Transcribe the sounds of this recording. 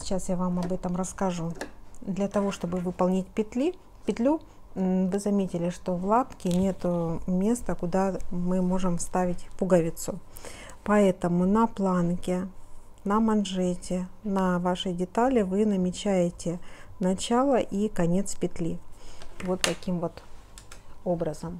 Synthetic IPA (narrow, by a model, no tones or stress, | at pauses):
t͡ɕasjavamɐbɛt̪əmɾəskɐʐud̪lʲɐt̪ɐvo̞ʂt̪o̞bɨvɨpɐlˠnʲɪtʲpʲɪt̪lʲi | pʲɪt̪lʲu | vɨzɐmʲetʲɪlʲɪʂt̪o̞vlˠat̪kʲɪnʲe̞t̪ʊmʲe̞st̪əkʊd̪amɨmo̞ʐɨmfst̪avʲɪtʲpʊɡɐvʲɪt̪sʊ | pɐɛt̪əmʊnɐplˠankʲɪ | nəmɐnʐɛtʲɪnɐvaʂɨjdʲɪt̪alʲɪvɨnəmʲɪt͡ɕæjɪtʲɪnɐt͡ɕalˠəʔikɐnʲe̞t̪spʲɪt̪lʲivo̞t̪ːɐkʲimvo̞t̪ | o̞bɾəzəm